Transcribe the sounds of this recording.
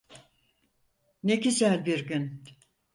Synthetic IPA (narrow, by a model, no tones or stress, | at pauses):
necisælʲbiɾɟyn